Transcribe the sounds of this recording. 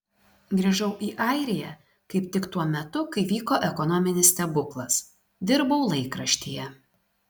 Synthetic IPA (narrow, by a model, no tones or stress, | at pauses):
ɡɾʲiʒɐʊʔiːʔɐˑɪɾʲɪjɛ | kɐɪpt̪ʲɪkt̪uɔmʲɛt̪ʊkɐɪʋʲiːkoːʔɛkɔnɔmʲɪnʲɪst̪ʲɛbʊklˠɐs | d̪ʲɪɾbɐʊlˠɐɪkɾɐʃʲt̪ʲijɛ